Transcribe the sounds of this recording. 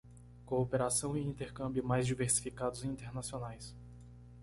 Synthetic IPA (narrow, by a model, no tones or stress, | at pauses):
koopeɾasɐ̃w̃iĩnt̪eɾkɐ̃mbjʊmajzd͡ʒiveɾsi̥fikad̪ʊzĩnt̪eɾnasionajs